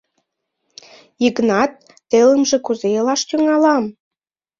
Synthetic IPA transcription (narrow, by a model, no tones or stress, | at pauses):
iɣnɑt̪̚ː | eləmʒĕkuzejəlɑʃt̪yŋɑlɑm